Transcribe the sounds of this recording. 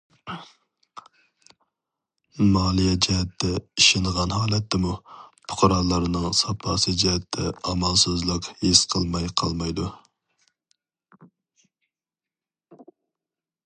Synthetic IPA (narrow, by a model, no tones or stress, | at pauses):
mɑːlˠijɛd͡ʒɛɦɛt̪ʰːɛiʃenʁɑnhɑːlˠɛt̪ʰːɛmupʰʊ̥qʰɑɾɑːlˠɑɾnɨŋsɑpʰɑːsɨd͡ʒɛɦɛt̪ʰːɛɑmɑlˠsøzlˠɨqhesqʰəlˠmɑjqʰɑ̰lˠmɑjd̪u